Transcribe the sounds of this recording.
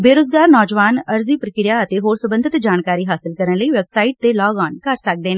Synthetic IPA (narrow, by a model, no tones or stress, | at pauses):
beːɾoːzɡaːɾnɔːd͡ʒʋaːnəɾziːpɾəkɪɾjaːət̪eːɦoːɾsʊbə̃nd̪ɪt̪d͡ʒaːnkaːɾiːɦaːsɪlkəɾənləiːʋɛːbsaːɪʈ̚t̪eːlɔːɡɔːnkəɾsək̚d̪eːnː